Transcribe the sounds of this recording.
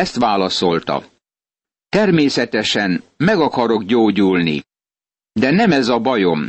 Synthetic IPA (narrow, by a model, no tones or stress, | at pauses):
ɛst̪ʋaːlɒso̞lt̪ɒ̰ | t̪ɛrmeːsɛt̪ɛʃɛnmɛɡɒkɒɾo̞ɡɟoːɟuːlnḭ | d̪ɛnɛmɛzɒbɒjo̞m